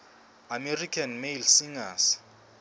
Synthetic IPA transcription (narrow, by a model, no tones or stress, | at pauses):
amerikʼʰanmelsiŋas